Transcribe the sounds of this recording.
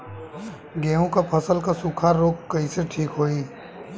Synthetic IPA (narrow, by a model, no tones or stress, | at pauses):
ɡẽːɦõkapʰəsəlkasukʰaɾoːkːəiseʈʰiːkɦoːi